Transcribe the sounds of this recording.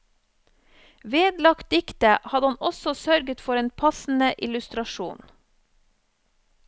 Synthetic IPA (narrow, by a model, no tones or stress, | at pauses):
ʋeːd̪lɑkt̪̚d̪ɪkt̪əʔhɑd̪ɑnɔsɔsœɾɡət̪fɔɾeːnpʰɑsn̩əʔɪlʉst̪ɾɑʃṵːn